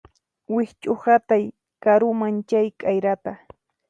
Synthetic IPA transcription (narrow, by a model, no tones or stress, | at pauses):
wɪht͡ʃʼʊhat̪aj | kaɾʊmant͡ʃajkʼajɾat̪a